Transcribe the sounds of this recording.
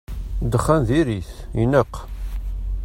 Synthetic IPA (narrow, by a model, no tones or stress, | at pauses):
d̪əχːænðiɾiθinəqː